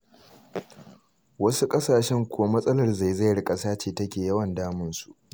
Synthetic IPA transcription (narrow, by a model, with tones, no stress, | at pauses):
wɐ˦su˦kʼɐ˦saː˨ʃɛ˦ŋkʷʰoː˦mɐ˦sʼɐ˦lɐ˦˨rza˦˨jza˦˨jɽɪ˦kʼɐ˨saː˦t͡ʃeː˨tɐ˦kʲeː˨jɐ˦wɐ˨ndaː˦mɪ˦nsu˨ʔ